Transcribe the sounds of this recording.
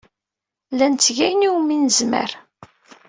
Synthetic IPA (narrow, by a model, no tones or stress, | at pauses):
lænt͡s̪ːʝæjniwminzmə̰ɾ